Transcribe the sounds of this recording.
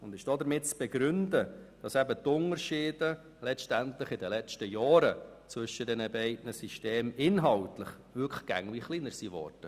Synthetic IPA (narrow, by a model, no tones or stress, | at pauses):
ʊnd̪ɪʃd̥ɔd̪əɾmɪt̚t͡sb̥ɛɡɾʏndəd̥ɑsæbətʊnəɾʃiːdə | lɛt͡ʃtæntləχɪdəlɛt͡ʃtəjɑːɾət͡sʋʏʃədɛnəbɛɪdnəsiʃteːmɪnɦɑltləχ | ʋʏkʰlɡ̥æ̰ŋviχliːnəɾsivɔ̰ːɾd̥ə